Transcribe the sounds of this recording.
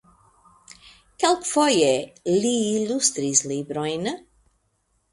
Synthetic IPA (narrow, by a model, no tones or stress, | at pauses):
kalkfɔjeliilust̪ɾislibɾɔjnə